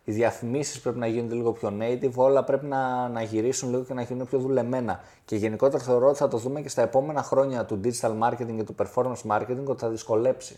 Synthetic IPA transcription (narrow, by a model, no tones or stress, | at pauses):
iðiɐfimisispɾe̞pinɐʝinond̪eliɣo̞pço̞neit̪ivo̞lɐpɾe̞pinɐnɐʝiɾisunliɣo̞ce̞nɐʝinund̪epço̞ðule̞me̞nɐ | ce̞ʝe̞niko̞t̪e̞ɾoθe̞o̞ɾo̞t̪iθɐt̪o̞ðume̞ce̞st̪ɐe̞po̞me̞nɐxɾo̞ɲɐt̪ud̪id͡ʒit̪ɐlmɐɾce̞t̪iŋɡet̪upe̞ɾfo̞ɾmɐnsmɐɾcet̪iŋɡo̞t̪eθɐðisko̞le̞psi̥